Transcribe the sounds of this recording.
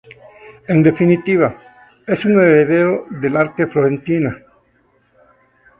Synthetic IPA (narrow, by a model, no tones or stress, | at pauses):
end̪e̞finit̪iβa | esuŋeɾeðeɾoðelaɾt̪efloɾẽnt̪ina